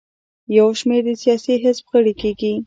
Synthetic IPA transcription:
jawʃmeɾd̪əsijɑsiɦɪsbɣəɽikeɡi

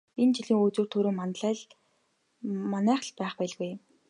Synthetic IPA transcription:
ent͡ɕiɮiːŋut͡suːrt̪ʰɵɾoːmanɮæː | manæːχ̆ɮpæːχpæːɮɣuj

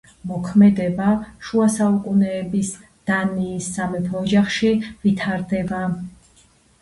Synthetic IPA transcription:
mɔkʰmɛd̪ɛbaʃuasaukʼunɛːbis | d̪̥aniːsːamɛpʰɔːd͡ʒaχʃivit̪ʰaɾd̪ɛba

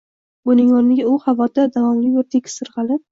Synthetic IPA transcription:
bʊnɪŋɒnnɪɡʲaʊhavɒd̪ad̪avɒmlɪjoɾt̪ʰekʲʰsɨɾʁɑlˠɪp̚

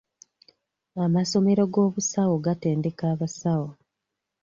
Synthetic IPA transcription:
amaso̞me̞ɾo̞ɡo̞ːβusawoɡate̞ːndekaːβasawo

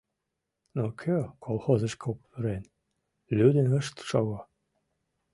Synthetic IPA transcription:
nokʲʰøkʰolˠxozə̆ʃkʰopveɾen | lʲyd̪enə̆ʃt̪ʃɑɣo

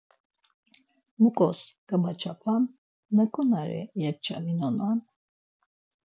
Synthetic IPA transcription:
mukʼɔ̰skʼəmat͡ʃʰapʰanː | əkʼunaɾɛ̰jɛv̚t͡ʃʰa̰linɔnan

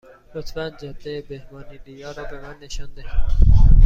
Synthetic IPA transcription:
lot̪ʰfænd͡ʒɒd̪ejebehmɒːnid̪ijɒːɾɒːbemænːeʃɒnd̪ehid̪

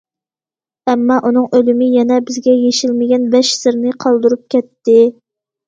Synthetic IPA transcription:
ɛmːɑʔun̪ɨŋʔølɪmɪjɛnɛbɪzɡʲɛjeʃilmɪɡʲɛnbɛʃsɨɾnɨqʰɑlˠd̪uɾup̚kʲɛt̪ːɪ

